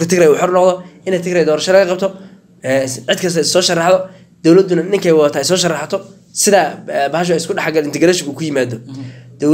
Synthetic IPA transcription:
kɐt̪ʰɪkɾɛjuːħɔrnɔqðɔʔɪnɛt̪ʰɪkɾɛjd̪ɔːɾɐʃɐlɐɣɐqɑb̚t̪ʰɔ | ʕɪd̪̚kʰɐs̬t̪ɐɪsɔːʃɐrɑħðɔ | d̪̥ɔwlɐd̪ʊnɐnɪŋkʰɛjwɑðɐt̪ʰaːɪsɔːʃɐrɑħat̪ʰɔ | sɪðaːbɐɦɐʃ̬ʊɛɪskʰʊɖɑħaɡɐlɪnt̪ɛɡɾɛːʃɔŋkuːkʰʊjɪmaːd̪ɔd̪̥ɔ

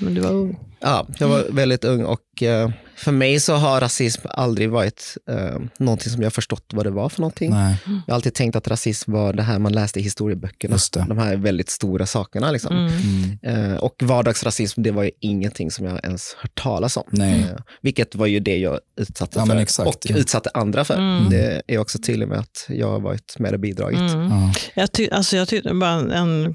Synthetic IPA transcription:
mɛnd̪ɵva̰ɾɵŋːʔɑ̰ːjɑːɡvaɾvɛld̪ɪt̪ɵŋːɔ̰k | fœɾmɛjsɔɦaɾasɪsma̰ld̪ɾɪɡvɑːɾɪt̪ | nɔnt̪ʰɪŋsɔmjɑhaɾfœʂʈɔt̪ːvad̪ɛvaɾfœɳɔnt̪ʰɪŋnjɑːhalt̪iːd̪t̪ʰɛŋkt̪at̪ɾasɪsmvaɖɛɦæːɾmanlɛːst̪əɦɪst̪uːɾɪəbœkːəɳast̪ɛd̪ɔmhæɾvɛld̪ɪt̪st̪uːɾʔasɑːkəɳalɪksɔ̰mm | ɔkvɑːɖɑːɡsɾasɪsmd̪ɛvaɾjɵɪŋːənt̪ʰɪŋːsɔmjɑ̰ɛ̰nshœːʈʈʰːɑ̰ːlasɔ̰m | vɪlkːət̪vaɾjɵd̪ɛjɑ̰ːɡʉ̟ːt̪sat̪ːəfœɾkɔkːʉ̟ːt̪sat̪ːəʔand̪ɾafœ̰ɾd̪ɛ̰æɾɔksɔt̪ʰyːd̪ɪɡmɛ̰a̰t̪jɑ̰ːɡha̰ɾvɑ̰ːɾɪt̪mɛ̰d̪ɛbiːd̪ɾɑ̰ːɡət̪jɑt̪ʰʏʔalsɔjɑt̪ʰʏbɑːɾaɛɛn

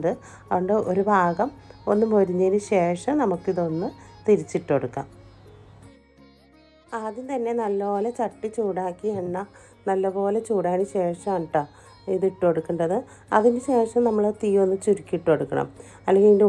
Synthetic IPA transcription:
ɖɨ | ɐoɳɖɨo̞ɾubʱaːɡɐmo̞nːumoɾuɲːɐnɨɕe̞ːʂɐmnɐmukːiðo̞nːɨt̪iɾit͡ɕːiʈːo̞ɽukːa̰ːm | aːðint̪ɐnːe̞nɐlːɐo̞ːlet͡ɕɐʈːit͡ɕuːɽaːkːiɐɳːa | nɐlːɐbo̞ːle̞t͡ɕuːɽaːnɨɕe̞ːʂɐmʈːɐ | iðiʈːo̞ɽukːuɳɖɐðɨ | ɐ̰ðinɨɕe̞ːʂɐmnɐmːɐɭot̪iːjo̞nːɨt͡ɕuɾikʲːiʈːo̞ɽukːɐ̰ɳɐ̰m | ɐlːeŋɡiinde

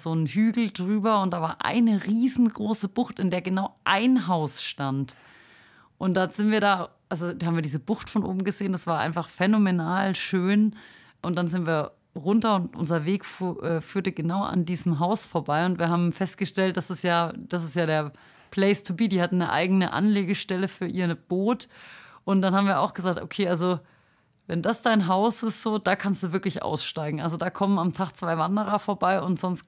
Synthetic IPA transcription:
z̥oːnhyːɡl̩dʁyːbɐʊntd̥aːvaːɐʔa̰ɪnəʁiːzn̩ɡʁoːsəb̥ʊxtɪndeːɐɡənaʊʔaɪnɦaʊsʃtant | ʔʊnt̚d̥az̥ɪntviːɐɾaːʔalzodhaːmviːɐdiːzəbʊxtfɔnʔo̰ːbm̩ɡəzeːənd̥asv̥aːɐʔa̰ɪnfaχfɛnomenaːlʃøːn | ʔʊntd̥anzɪntv̥iːɐ | ʁʊntɐʊntʔʊ̰nzɐveːkfʔɛːfyːɐtəɡənaʊʔa̰ndiːzm̩ɦaʊsfoːɐbaɪʊntviːɐhaːbm̩fɛst̚ɡ̥əʃtɛlt̚d̥asɪsjaːd̥asɪstjaːɾeːɐ | pʰl̥ɛɪstʰubiːdiːhatn̩nəʔa̰ɪɡənəʔa̰nleːɡəʃtɛləfyːɐʔiːɐb̥oːtʔʊntd̥anhaːbm̩viɐʔa̰ʊxɡ̥əzaːk̚tʔo̰kʰeːʔalzo | vɛndasd̥aɪnɦaʊsɪstz̥oːd̥aːkʰanstd̥uːvɪɐklɪçʔa̰ʊsʃtaɪɡŋ̩ʔa̰lzodaːkʰɔmənamtʰaːχt͡sv̥aɪvandəʁ̞ɐfoːɐbaɪʊntz̥ɔnst

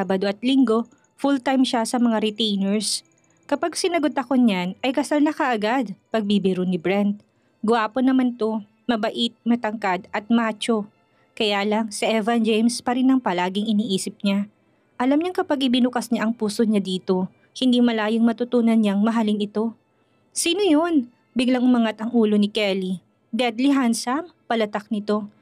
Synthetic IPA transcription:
abɐd̪oʔɐt̪̚lɪŋɡo̞ | fult̪ajmʃasɐmɐŋaɾɪt̪ejnɛɹs | kɐpaɡsɪnɐɡo̞d̪ɐkoɲanʔɐjkɐsalnɐkɐʔɐɡad̪̚pɐɡ̚bibɪɾʊnɪbɹɛnt̪̚ | ɡʊaːponːɐmant̪o̞ | mɐbɐʔɪt̪̚mɐt̪ɐŋkad̪ʔɐt̪̚maːt͡ʃo̞ | kɐjaːlɐŋsɪʔɛvɐnd͡ʒejmspɐɾɪnːɐŋpɐlaːɡɪŋɪniːʔiːsɪp̚ɲa | ʔɐlamɲaŋkɐpɐɡɪbɪnʊkɐsɲaʔɐŋpuːso̞ɲad̪iːt̪o̞ | hɪnd̪imɐlaːjoŋmɐt̪ʊt̪uːnɐnɲaŋmɐɦalɪŋɪt̪o̞ | siːnojon | bɪɡlɐŋʊmɐŋat̪ɐŋuːlo̞nɪkɛli | d̪ɛd̪liɦansɐmpɐlɐt̪ak̚nɪt̪o̞

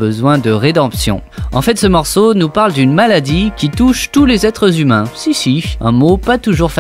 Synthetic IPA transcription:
bəzwɛ̃d̪əʁed̪ɑ̃psjɔ̰̃ɑ̃fɛt̪səmɔʁsonupaʁld̪ynmalad̪ikʲit̪uʃt̪ulezɛt̪χəzymɛ̃sisiɛ̃mopat̪uʒuʁfa

